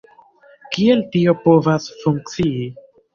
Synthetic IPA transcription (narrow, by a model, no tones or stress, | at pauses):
kie̞ltio̞po̞vasfuŋk̚t͡sii